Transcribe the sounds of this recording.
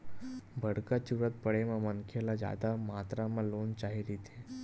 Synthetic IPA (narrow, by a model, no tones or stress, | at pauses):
bʱəɽkat͡ɕuɾət̪̚pəɽemamənkʰelad͡ʑa̰d̪amat̪ɾamalont͡ɕaɦiɾit̪ʰe